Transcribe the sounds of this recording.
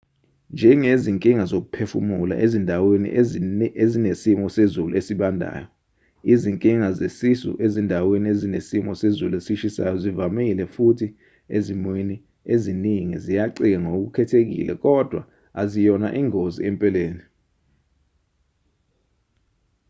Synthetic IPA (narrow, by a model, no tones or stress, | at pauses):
nd͡ʒʱɛŋeziŋkʼiŋazok̬upʰefṵmula̰ʔezindʱawenḭezinesimɔsezulṵesiɓandʱa̰ːjɔ | iziŋkʼiŋazesisṵʔezindʱaweniezinesimɔsezuluesiʃisa̰jɔzivamilɛfutʰi | ezimwini | eziniŋḭzijaǀik̬ɛŋok̬ukʰɛtʰek̬ḭlɛ̰k̬ɔd̥ʱwa̰ | azijɔna̰ʔiːŋozḭɛmpʼɛleːni